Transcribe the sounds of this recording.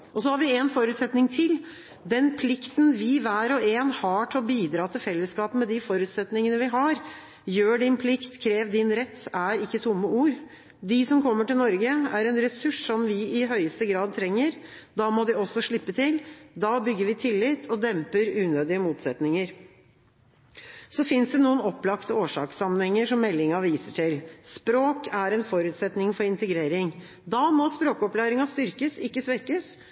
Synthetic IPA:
ʔɔsɔhɑɾʋɪɛnfɔɾʉːt̪sɛt̪nɪŋt̪ʰɪl | d̪ɛnpʰlɪkt̪nʋɪʋæːɾɔeːnhɑʈʰɪɔbiːd̪ɾɑːt̪ʰɪlfɛlːəskɑːpəmɛd̪ɪfɔɾʉːt̪sɛt̪nɪŋənəʋɪɦɑɾ | jøːɖɪnpʰlɪkt̪kʰɾeːʋd̪ɪnɾɛt̪ːæɾɪkːət̪ʰʊmːəuːɾ | d̪ɪsɔmkʰɔmːəʈɪlnɔɾɡəæɾɛnɾɛsʉʂːɔmʋɪɪɦœʏəst̪əɡɾɑːd̪̚t̪ʰɾɛŋːəɾd̪ɑːmɔd̪ɪɔsɔʂɭɪpːət̪ʰɪld̪ɑːbʏɡːəɾʋɪt̪ʰɪlːɪt̪ʰɔd̪ɛmpəɾʉːnøːd̪ɪəmuːt̪sɛt̪nɪŋəɾ | sɔfɪnsd̪ɛnuːənɔpːlɑkt̪əoːʂɑ̰ːksɑmənhɛŋːəʂɔmːɛlːɪŋɑʋiːsəʈʰɪlspɾoːkʰæɾɛnfɔɾʉːt̪sɛt̪nɪŋfɔɾɪnt̪əɡɾeːɾɪŋ | d̪ɑmɔspɾoːkɔplæːɾɪŋɑst̪ʏɾkəsɪkːəsʋɛkəs

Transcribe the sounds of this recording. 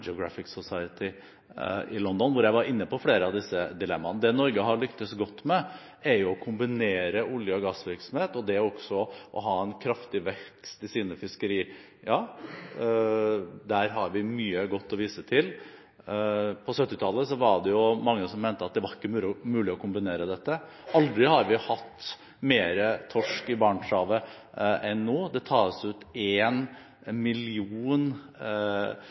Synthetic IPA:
d͡ʒɛʊɡɾɑfɪksʊsɑɪət̪ʰɪ | ɪlɔnd̪ɔnʋʊɾjæɪʋɑɾɪnːəpɔfleːɾəɑʋd̪ɪsːəd̪ɪlɛmːɑnəd̪ɛnɔɾɡəɦɑɭʏkt̪əsɡɔt̪ːmɛ | ɛjʊɔkʰʊmbɪneːɾəʊljəɔɡɑsʋɪɾksɔm̩heːt̪ɔd̪ɛɔksɔʔɔ̰ɦɑːɛnkʰɾɑft̪ɪʋɛkst̪ɪsiːnəfɪskəɾiː | jɑː | d̪æːɾɦɑɾʋɪmyːəɡɔt̪ːɔʋiːsət̪ʰɪl | pʰɔsœt̪ːɪt̪ʰɑlːəsɔʋɑɖɛjʊmɑŋːəsɔmːɛːnt̪əɑt̪̚d̪ɛʋɑɾɪkːəmʉːmʉːlɪɔkʰʊmbɪneːɾəd̪ɛt̪ːə | ʔɑld̪ɾɪhɑɾʋɪhɑt̪ː | meːɾət̪ʰɔʂkɪbɑːɳʂɑːʋə | ʔɛnːoːd̪ɛt̪ʰɑːsʉːt̪eːn | mɪlɪuːn

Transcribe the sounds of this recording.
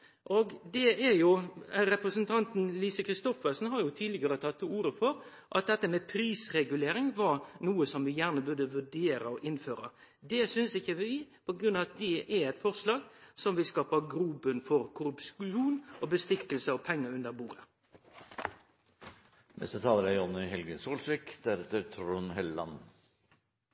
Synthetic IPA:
ʔoːɡd̪ɛæɾjʊɾɛpɾəsənt̪ʰɑnt̪n̩liːsəkʰɾɪst̪ɔfəɾsn̩hɑɾjʊt̪ʰiːd̪lɪɡɑɾət̪ʰɑt̪ːuːɾəfɔɾ | ʔɑ̰t̪̚d̪ɛt̪ːəmɛpʰɾiːsɾɛɡʉleːɾɪŋʋɑʁnuːəsɔmʋɪjæʁnəbʉd̪əʋʉɖeːɾəɔʔɪnføːɾɑ̰ | d̪ɛsʏnsɪçːəʋɪpʰɔɡɾʉnɑʋɑt̪̚d̪ɛʔɛɛɪt̪fɔʁslɑːɡsɔmʋɪlskɑːpɑɡɾuːbənfɔɾkʰʊɾʉpʃuːnʔobəst̪ɪkəlsəɔpʰɛŋːəʉnd̪əɾbuːɾə | nɛ̰st̪ət̪ʰɑːləɾæɔnɪɦɛlɡəsuːlsɪkd̪̥æɾɛt̪əɾt̪ʰɾunɦɛlːɑ̰n

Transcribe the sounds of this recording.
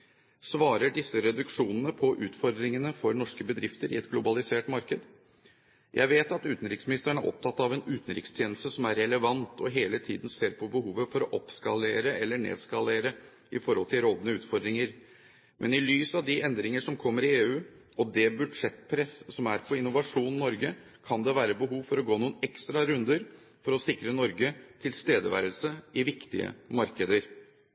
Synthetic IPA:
sʋɑːɾəɖɪsːəɾɛd̪ʉkʂuːnənəpʰɔʔʉːt̪fɔɾd̪ɾɪŋənəfɔɾnɔʂkəbəd̪ɾɪft̪əɾɪ̰ɛt̪ɡlʊbɑlɪseːʈmɑɾkəd̪ | jʔæ̰ɪʋeːt̪ɑt̪ʉːt̪n̩ɾɪksmɪnɪst̪əɳæʔɔ̰p̚t̪ʰɑt̪ːɑʋɛnʉːt̪n̩ɾɪ̰kst̪ʰjeːnl̩st̪əsɔmæɾɛləʋɑnt̪ʰɔɦeːlət̪ʰiːd̪n̩seːɾpʰɔbəɦuːʋəfɔɾɔʔɔpskɑleːɾəɛlːəɳḛːd̪skɑleːɾə | ɪfɔɾhɔlt̪ʰɪlɾɔd̪nəʉːt̪fɔɾd̪ɾɪŋəɾ | mʔɛnɪlyːsɑʋd̪ɪʔɛnd̪ɾɪŋəʂɔmkʰɔmːəɾɪeːʉː | ɔd̪ɛbʉd̪ʂɛt̪pʰɾɛssɔmæɾpʰɔɾɪnːʊʋɑʂuːnnɔɾɡə | kʰɑnd̪ɛʋæːɾəbəɦuːʋfɔɾɔɡoːnuːənɛkst̪ɾɑɾʉnd̪əɾ | fɔɾɔsɪkɾənɔɾɡət̪ʰɪlst̪eːd̪əʋæ̰ɾəlsəʔɪʋɪkt̪ɪ̰ə̰mɑɾkəd̪əɾ

